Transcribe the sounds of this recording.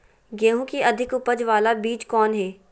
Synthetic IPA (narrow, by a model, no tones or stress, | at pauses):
ɡeːɦũkiʔɐd̪ʱɪkʊpəd͡ʒʋaːlabiːt͡ʃkɔːnɦɛː